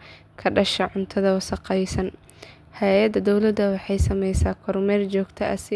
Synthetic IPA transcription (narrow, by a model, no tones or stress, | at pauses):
kʰɐɖɐʃɐʕʊnt̪ʰɐðɐwɐsɑqɛjsɐn | hɛjɐd̪ɐd̪ɔwlɐd̪ɐwɑħɑjsɐmɛjsaːkʰɔrmɛːrd͡ʒɔːɡt̪ʰɐʔɐsɪ